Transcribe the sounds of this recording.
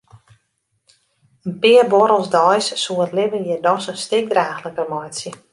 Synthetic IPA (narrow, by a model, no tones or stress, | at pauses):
ənpɪərbɔɾəlˠsdɔjsːuətlɪvənjɪdɔsənstɪk̚draːxləkəmɔjsjə